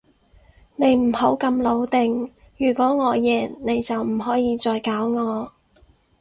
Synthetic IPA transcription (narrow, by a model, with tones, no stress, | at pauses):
ne˨˧jm̩˨˩ho˨˥wkɐ˧mlo˨˧wt̪ɪ˨˧ŋ | jyː˨˩kʷɔː˨˥ŋɔː˨˧jɛː˨˩nne˨˧jt͡sɐ˨wm̩˨˩ɦɔː˨˥jiː˧t͡sɔː˧jkaː˨˥wŋɔː˨˧